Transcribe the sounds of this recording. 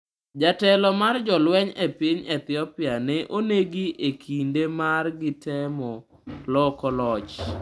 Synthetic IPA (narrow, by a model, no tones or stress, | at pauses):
d͡ʒatɛlɔmard͡ʒɔlwɛɲepiɲɛt̪ɪɔpɪanɛʔoneɡiʔekʰindemarɡɪtɛmɔ | lɔkɔlɔt͡ʃ